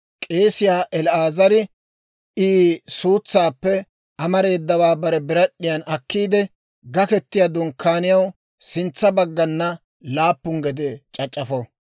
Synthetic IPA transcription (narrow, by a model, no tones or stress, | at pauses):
kʼe̞ːsɪjaːʔɛlaːzɐɾɪ | iːsuːt͡sːaːpːɛ | ʔɐmɐɾe̞ːd̪ːɐwaːbɐɾɛbɪɾɐɗːɪjɐnɐkːiːd̪ɛ | ɡɐkɛt̪ːɪjad̪ʊŋkʰːaːnɪjɐw | sɪnt͡sːɐbɐɡːɐnːɐ | laːpːʊŋɡɛd̪ɛt͡ʃʼɐt͡ʃʼːɐfɔ